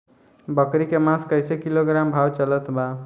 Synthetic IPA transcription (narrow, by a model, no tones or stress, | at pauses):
bʌkɾikemãskʌjsekiloɡɾambʱawt͡ʃʌlət̪ba